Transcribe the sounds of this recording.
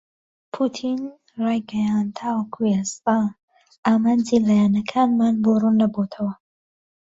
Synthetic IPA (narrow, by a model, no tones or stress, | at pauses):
pʰut̪ʰin | rɑːjɡɐjant̪ʰawɐkʰujast̪a | aːmaːnd͡ʒilaːjaːnɐkʰaːnmaːnborunːɐbot̪ʰɐwɐ